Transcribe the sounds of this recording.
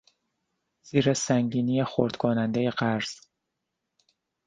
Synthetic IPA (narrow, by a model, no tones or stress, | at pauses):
z̥iːɾesæŋɟiːnijexoɾd̪̥kʰonænd̪ejeɢæɾz̥